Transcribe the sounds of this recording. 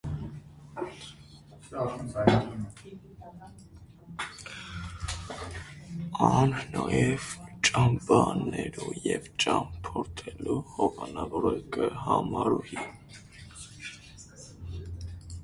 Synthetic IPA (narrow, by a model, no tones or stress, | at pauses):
ɑnnɑjɛvt͡ʃʼɑmbɑnɛɾujɛvt͡ʃʼɑmpʰɔɾt̪ʰɛluhɔvɑnɑvɔɾəkʼəhɑmɑɾuhi